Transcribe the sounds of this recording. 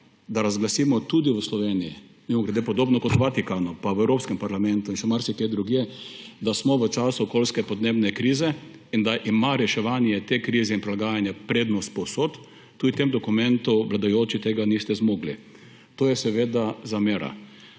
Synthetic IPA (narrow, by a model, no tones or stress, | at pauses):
d̪aɾazɡlasiːmɔt̪ud̪iʋəslɔʋeːnijḭ | mimɔɡɾɛd̪epɔd̪oːbnɔkɔt̪ʋat̪ikanʊpaʋɛwɾoːpskɛmpaɾlamɛnt̪ʊinʃɛmaɾsiked̪ɾuɡjed̪asmɔʋət͡ʃasʊːkolskɛpɔd̪neːbnɛkɾizɛ | ind̪aʔimaɾɛʃɛʋanjɛt̪ekɾiːzɛinpɾilaɡaːjanjɛpɾeːd̪nɔst̪̚pɔwsot̪ː | uːd̪it̪emd̪ɔkʊmɛ̃nt̪ʊʋlad̪ajoːt͡ʃit̪eːɡanist̪ɛzmoːɡli | t̪oːjɛsɛʋeːd̪azameːɾa̰